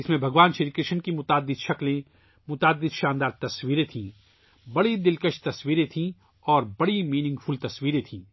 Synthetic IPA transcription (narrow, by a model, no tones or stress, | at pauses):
ɪsmẽbʱɐɡʋaːnʃeɾikɾɪʃənkimʊt̪aːd̪ːɪd̪ʃɐklẽ | mʊt̪aːd̪ːɪd̪ʃaːnd̪aːɾt̪ɐsʋiːɾẽt̪ʰĩː | bɐɽid̪ɪlkəʃt̪ɐsʋiːɾẽt̪ʰĩ | ɔːɾbɐɽimiːnɪ̃ŋɡfʰʊlt̪ɐsʋiːɾẽt̪ʰĩː